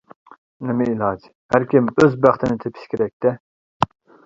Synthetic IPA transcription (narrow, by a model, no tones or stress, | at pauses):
nɪmɪilˠɑd͡ʒ | hæɾkʲimøzbæχt̪ʰɪnɪt̪ʰepʰɪ̥ʃkʲʰeɾɛk̚ʲt̪ɛ